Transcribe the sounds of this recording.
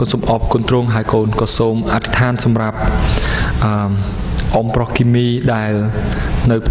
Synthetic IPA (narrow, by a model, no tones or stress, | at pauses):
konsoːmʔɑp̚koːnt̪ruːŋɦaəjkoːnkɑːsoːmʔat̪ʰi̥t̪ʰaːnsɑmrap̚ | ʔə | ʔomprɑhkiːmiːɗaɛlnɨw